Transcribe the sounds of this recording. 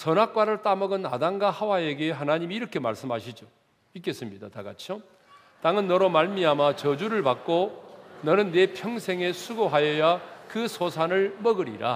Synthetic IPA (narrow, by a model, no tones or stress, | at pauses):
sʰʌnak̚k͈waɾɯɭt͈amʌɡɯna̰daŋɡahawae̞ɡe̞ɦanaɲimiːɾʌkʰe̞maɭs͈ɯmɦaɕʰid͡ʑo | ik̬͈e̞s͈ɯmɲidat̪aɡat͡ɕʰjo | t̪͈aŋɯnːʌɾomaɭmiamat͡ɕʌd͡ʑuɾɯɭpak̚k͈onʌnɯnːe̞pʰjʌŋsʰe̞ŋe̞sʰuɡoɦajʌjakɯsʰosʰanɯɭmʌɡɯɾḭɾa̰